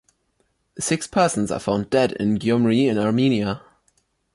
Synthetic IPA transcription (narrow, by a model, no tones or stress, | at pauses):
ðəsɪkspʰɜˑsə̃n̩zə̰fãʊ̃ndɛdɪ̰̃nɡjɔmɹiɪ̃naɹmĩːniə